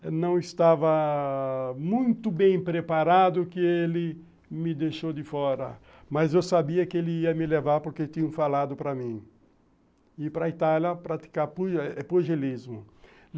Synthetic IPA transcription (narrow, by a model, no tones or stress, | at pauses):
nɐ̃w̃ɪst̪avɐ | mũj̃t̪ʊbẽj̃pɾepaɾad̪ʊkɪelɪ | mɪd̪eʃowd̪ɪfɔɾɐ̰ | mɐzewsabiɐkɪelɪiɐmɪlevaɾpoɾket̪ĩɲɐ̃falad̪ʊpɾɐmĩ | ɪpɾɐit̪aljɐpɾat̪i̥kapuɛpuʒelizmʊ